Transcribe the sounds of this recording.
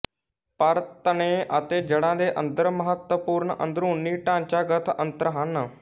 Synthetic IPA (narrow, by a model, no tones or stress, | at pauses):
paɾt̪əneʔa̰t̪ed͡ʑəɽ̃ãleʔə̰nd̪əɾməɦət̪wəpuːɾɳəʔə̰nd̪ɾũːnːiːʈãnt͡ɕaɡət̪ʰənt̪əɾəɦanːə